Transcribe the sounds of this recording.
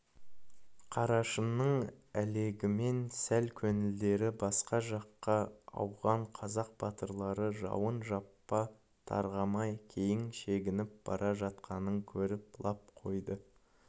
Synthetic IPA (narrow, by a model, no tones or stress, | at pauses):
qʰɑɾɑʃənːəɴæle̞ɡʲɪme̞nsælkʲʰɵnɪld̪e̞ɾɪbɑsqɑʒɑqːɑɑ̰wʁɑɴqʰɑzɑq̚b̥ɑt̪əɾlˠɑɾəʒɑ̰wənʒɑpːɑ | t̪ʰɑ̰ɾʁɑmɑjkʲʰe̞jɪŋʃe̞ɡʲɪnɪp̚b̥ɑ̰ɾʔɑʒɑt̪̚qʰɑnəŋkʲʰɵɾɪp̚lˠɑp̚qʰo̞̰jd̪ə